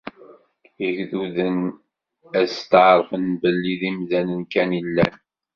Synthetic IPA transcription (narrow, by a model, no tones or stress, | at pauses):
iʝðuðən | æst̪ʕɾˤfənbəlːiðimðænənkænilːæ̰n